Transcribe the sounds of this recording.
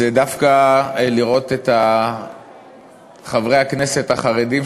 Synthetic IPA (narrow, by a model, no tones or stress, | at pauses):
edafkaliʁo̞t̪et̪a | χavʁejakne̞se̞taχaʁedim